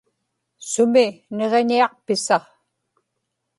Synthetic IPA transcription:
sʊmine̞ʁe̞ɲiɑq̚pɪsɑʁ

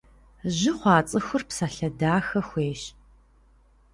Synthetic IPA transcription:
ʑɪχʷɑːt͡sʼɨxʷʊrpsaːɬɐdaːxɐxʷeːɕ

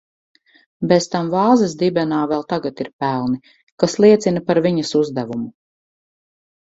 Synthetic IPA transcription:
bɛzt̪amvɑːzɐsd̪ibɛnaːvɛlˠt̪aɡat̪iɾpælˠni | kaslˠiɛt̪sinɐpaɾviɲɐsuzd̪ævumu

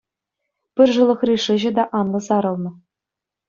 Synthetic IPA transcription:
pʲɘ̆rʐɤ̆lˠɤ̆χrʲiʂɘ̆ʑɘ̆d̪ɑʔɑnlˠɤ̆zɑɾɤ̆lˠnɤ̆

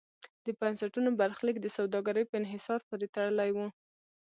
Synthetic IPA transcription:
d̪̥əbansaʈunobaɾxlikd̪əsawd̪ɑɡaɾəjpəɪnɦɪsɑɾpəɾet̪aɽəlajwu

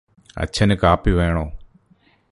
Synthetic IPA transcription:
ə̰t͡ʃʰənɪkaːpiʋeːɳ̃oː

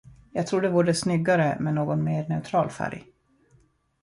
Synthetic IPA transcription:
jɑːɡ̚t̪ʰɾuːɖɛvuːɖəsnʏɡːaɾəmɛnoːɡɔnmeːɳɛʉt̪ʰɾɑːlfæ̰ɾj

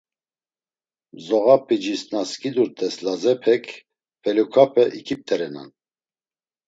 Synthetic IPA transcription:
zɔɣapʰid͡ʒisnaskʼid̪uɾt̪ʰʼɛslazɛpʰɛkʰ | pʰɛlukʰapʰɛʔikʰip̚t̪ʰɛɾɛna̰n

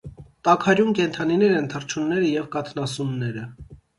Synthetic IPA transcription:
t̪ɑkʰɑɾjumkɛnt̪ʰɑninɛɾɛnt̪ʰərt͡ʃʰunːɛɾəjɛvkɑt̪ʰnɑsunːɛɾə

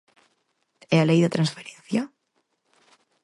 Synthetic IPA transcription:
ealejðat̪ɾansfeɾẽnθja

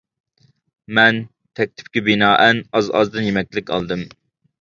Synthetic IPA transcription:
mɛn | t̪ʰɛk̚ʲt̪ʰɪ̥p̚kʲɪbɪnɑːʔɛnɑzɑ̰zd̪ɨnjemɛk̚ʲlɪkʲɑ̰lˠd̪ɨm

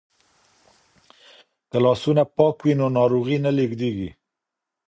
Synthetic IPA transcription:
k̪əlɑsunapɑkwinonɑɾoɣinaleɡd̪eɡi

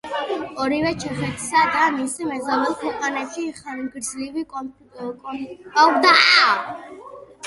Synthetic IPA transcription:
ɔɾivɛt͡ʃʰɛχɛt̪ʰi̥sad̪amisimɛzalɛlˠkʰwɛqʼanaʃiχaɾiɡɾd̪zlivi | kʼaɡd̪aa

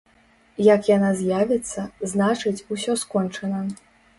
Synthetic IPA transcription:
jakjanazʲjavʲɛt̪sːɐznat͡ʂɨt͡sʲusʲɔskɔnt͡ʂɐnɐ

